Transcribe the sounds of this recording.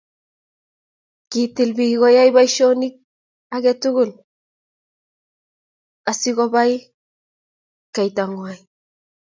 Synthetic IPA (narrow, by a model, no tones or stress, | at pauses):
kitilbiɡɔjajbajʃonik̚ | akɛtuɡul | asikɔbaj | kajtaŋwaj